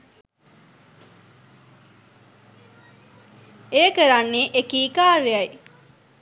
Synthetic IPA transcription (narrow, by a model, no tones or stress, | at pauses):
ejəkəɾanːeːʔekiːkaːɾeɐj